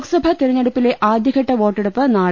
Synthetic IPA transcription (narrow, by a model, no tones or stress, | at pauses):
kɐsɐbʱɐt̪iɾɐɲːeɽupːile̞ʔaːd̪ʱjɐɣɐʈːɐʋo̞ːʈːeɽupːɨnaːɭ